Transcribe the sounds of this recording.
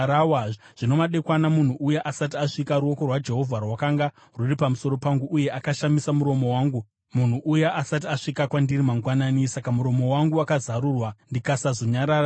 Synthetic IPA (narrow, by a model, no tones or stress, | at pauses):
awa | ʐ̥ino̞maɗe̞kwanamun̤uʔujeʔasat̬iaʂikaɾuo̞ko̞rwad͡ʒe̞ɦo̞vʱarwakaŋɡa | ruripamuso̞ɾo̞paŋɡuʔuje̞ʔakaʃamisamuɾo̞mo̞waːŋɡu | mun̤uʔujeʔasat̬iaʂikakwandirimaŋɡwanaːnisakamuɾo̞mo̞waŋɡuakazaɾuːrwandikasazo̞ɲaɾaːra